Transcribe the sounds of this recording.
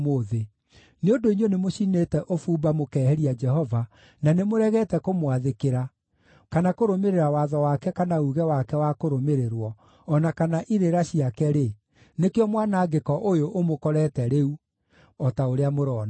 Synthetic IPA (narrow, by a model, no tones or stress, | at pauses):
moːðe | neodoinonemoɕinetɛʔofuːbamokɛːhɛɾiad͡ʒɛhɔva | nanemoɾɛɣɛtɛkomwaðekeɾa | kanakoɾomeɾeɾawaðɔwakɛkanauɣɛwakɛwakoɾomeɾeɾwɔː | nakanaʔiɾeɾaɕiakɛɾe | nekejɔmwanaːɡekɔʔojoʔːmokɔɾɛːtɛɾeu | ɔtaoɾeamoɾɔːna